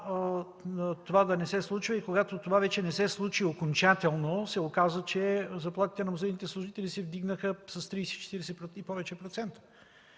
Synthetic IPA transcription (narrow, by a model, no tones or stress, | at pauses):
t̪ovad̪ɐnɛsɛslˠut͡ʃvɐikoɡat̪ot̪ovavɛt͡ʃɛnɛsɛslˠut͡ʃiokont͡ʃat̪ɛlˠnosɛokazvət͡ʃɛzɐplˠat̪i̥t̪ɛnɐmozɛjnit̪ɛslˠuʒit̪ɛlisɛvd̪iɡnəxəsɐst̪ɾijsɛit͡ʃɛ̥t̪iɾɛsɛpɾoipɔvɛt͡ʃɛpɾot̪sɛnt̪ə̥